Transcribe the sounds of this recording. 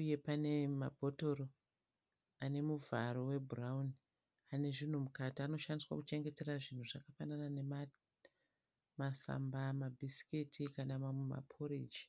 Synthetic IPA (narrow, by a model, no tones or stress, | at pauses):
uje̞pane̞mabʱo̞to̞ɾo | ane̞muvʱaɾo̞we̞burauni | ane̞ʐin̤umukatiano̞ʃandiswa̰kut͡ʃe̞ŋɡe̞te̞raʐin̤uʐakafanananema | masa̰mbamabʱisi̥kitʰikanamama̰pʰoɾid͡ʒi̥